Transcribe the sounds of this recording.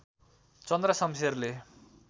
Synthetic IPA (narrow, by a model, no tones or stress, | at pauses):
t͡sʌnd̪rʌsʌmserle